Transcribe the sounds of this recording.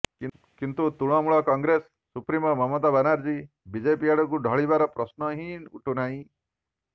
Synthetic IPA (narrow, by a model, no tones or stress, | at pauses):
kint̪ut̪uɭ̃ɔmuɭɔkɔŋɡɾesːupɾimɔmɔmɔt̪abanaɾd͡ʒi | bid͡ʒepiaɽɔk̬uɖʱɔɭibaɾɔpɾɔsnɔɦĩnṵʈʰunaĩ